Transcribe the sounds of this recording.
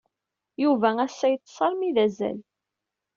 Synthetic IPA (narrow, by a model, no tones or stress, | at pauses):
juvææsːæjət͡s̪ˤːsˤɑlmiðæzæ̰l